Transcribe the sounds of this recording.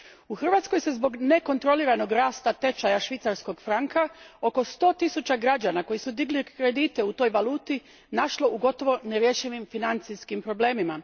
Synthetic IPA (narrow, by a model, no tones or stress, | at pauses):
uxr̩ʋat̪sko̞jse̞zbo̞ɡne̞ko̞nt̪ɾo̞liɾano̞ɡɾaːst̪at̪e̞t͡ʃajaʃʋit̪saɾsko̞ɡfɾaŋkao̞ko̞st̪o̞ːt̪isut͡ɕaɡɾad͡ʑanako̞jisud̪iɡlikɾe̞d̪it̪e̞ut̪o̞jʋaluːt̪i | naʃlo̞ʔuɡo̞t̪o̞ʋo̞neɾje̞ʃiʋimfinant̪siskimpɾo̞ble̞ːmima